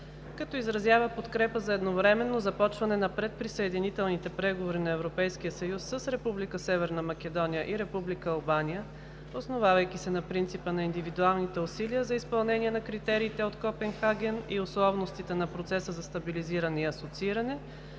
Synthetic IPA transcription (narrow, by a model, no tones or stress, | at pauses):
kɐt̪ɔizɾɐzʲjavəpot̪kɾɛpəzɐɛd̪novɾɛmɛnːozɐpɔt͡ʃvɐnɛnɐpɾɛt̪̚pɾisəɛd̪init̪ɛlˠnit̪ɛpɾɛɡovoɾinɐɛvɾopɛjsk̟ijəsɐjusːəsɾɛpublikəsɛvɛɾnɐmɐk̟ɛd̪ɔnʲijəʔiɾɛpublikəɐlˠbanijə | osnovavɐjkisɛnɐpɾint̪sipənɐind̪ivid̪ualˠnit̪ɛʊsiliəzɐispɐlˠnɛnʲiɛnɐkɾit̪ɛɾiːt̪ɛot̪kɔpɛnxaɡʲɛniʊslˠɔvnost̪it̪ɛnɐpɾot̪sɛsəzɐst̪ɐbiliziɾənɛiɐsot̪siiɾɐnɛ